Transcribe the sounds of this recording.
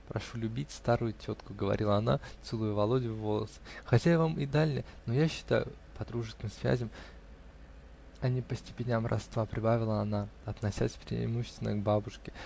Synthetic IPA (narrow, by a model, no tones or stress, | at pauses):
pɾɐ̰ʂulʲʉbʲitʲst̪aɾʊjʊtʲo̞t̪kʊɡəvɐ̰ɾʲʔilˠəɐna̰t̪sɨlˠʊjʊvɐlˠo̞dʲɪʊvo̞lˠəsɨ̥xɐtʲavamɪd̪alʲnʲɪjənojaɕːɪ̥t̪a̰jʊ̰ | pɐd̪ɾuʐɨskʲɪmsvʲæ̰zʲɪm | ɐnʲipəsʲtʲɪ̥pʲɪnʲamɾʔɐ̰st̪vapɾʲɪbavʲɪlˠəɐnaɐt̪nɐsʲa̰sʲpɾʲɪ̰ɪ̰muɕːɪst̪ʲɪnəɡbabʊʂkʲɪ̥